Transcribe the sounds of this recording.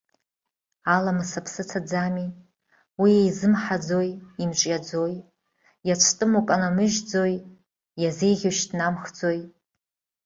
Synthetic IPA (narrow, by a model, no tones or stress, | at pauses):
alamasapʰsɨt͡sʰad͡zami | wiejzɨmħad͡zo̞jimt͡ʃʷʼjad͡zoj | jat͡ʃʷʰtʼɨmukʼanamɨʒd͡zoj | jazejʁʲoʃtnamχd͡zoj